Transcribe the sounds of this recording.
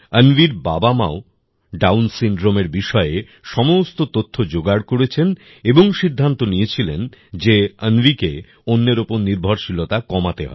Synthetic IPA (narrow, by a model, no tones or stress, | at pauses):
ənviɾbabama̰o | ɖawnsiɳɖɾomeɾbiʃɔee | ʃɔmost̪ot̪ot̪ʰːod͡ʑoɡaɽkoɾet͡ɕʰen | eboŋʃid̪ʱːant̪onijet͡ɕʰilend͡ʑeənvike | onːeɾopoɾniɾbʱoɾʃilot̪akɔmat̪eɦɔ̰e